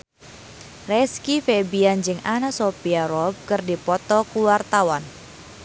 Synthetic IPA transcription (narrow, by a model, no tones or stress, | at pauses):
rɛskifebiand͡ʒɨŋanasopiaɾɔb̚kɨrdipɔt̪ɔkuwart̪awan